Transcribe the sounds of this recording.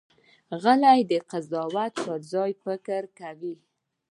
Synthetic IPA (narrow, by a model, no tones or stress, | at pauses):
ɣəlajd̪əqazɑwat̪pəɾzɑjpəkəɾkawi